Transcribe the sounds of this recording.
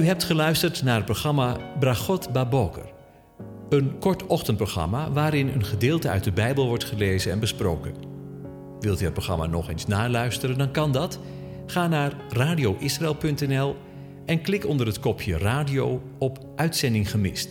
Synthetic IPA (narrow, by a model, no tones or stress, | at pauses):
yɦɛp̚tχəlœɥstəɹtnaːrət̚proχɑmabraχɔtbabokə̰r | ənkɔɹtɔxtənt̚proχrɑ̰maʋaːɾɪnə̰nχədɪːlˠtəœ̰ɥt̚dəbɛjbəlˠʋɔɹtχəlejzəɛnbəspro̰wkən | ʋɪlˠtyət̚proxχrɑ̰ma̰ːnɔ̰χeːnsnaːɹlœɥstəɾəndɑnkɑndɑt | χaːnaːrraːdijowʔɪsraɪːlˠpɵntɛnɛlˠ | ʔɛnklɪkɔndərɦətkɔpʰjə̰raːdiow | ɔp | ʔœɥtsɛndɪŋχəmɪ̰st